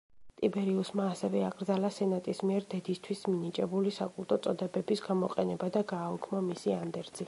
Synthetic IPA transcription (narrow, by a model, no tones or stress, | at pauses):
t̪ʼibɛɾiusmaːsɛvɛaɡɾd̪zalasɛnat̪ʼismiɛɾd̪ɛd̪ist̪ʰwisminit͡ʃʼɛbulisakʼulˠt̪ʼɔt̪sʼɔd̪ɛbɛbisɡamɔqʼɛnɛbad̪aɡaːukʰmamisiand̪ɛɾt̪z̥i